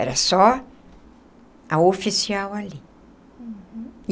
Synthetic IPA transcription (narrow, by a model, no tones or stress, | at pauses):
ɛ̰ɾɐsɔ | aofisiawali